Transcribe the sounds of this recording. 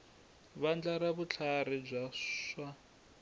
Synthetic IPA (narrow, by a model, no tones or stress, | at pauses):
βand͡ɮaɾaβut͡ɬʰarib͡ʐʷaʂwa